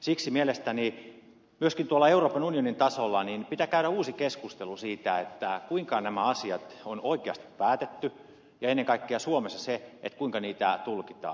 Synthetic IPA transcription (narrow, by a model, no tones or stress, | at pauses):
siksimielest̪æni | myøskint̪uolːɑeuroːpɑnunionint̪ɑsolːɑninpit̪ækæyɾæuːsikeskust̪elusiːt̪æet̪ːækuiŋkɑnæmæɑsiɑt̪onoikeɑst̪i̥ppæːt̪et̪ːy | jɑenːeŋkɑikːeɑsuomesːɑseḛt̪kuiŋkɑniːt̪æt̪ulkit̪ɑ̰ː